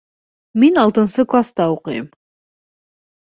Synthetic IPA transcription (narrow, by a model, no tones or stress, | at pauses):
menɑlˠt̪ənsəklˠast̪ɑuqəjəm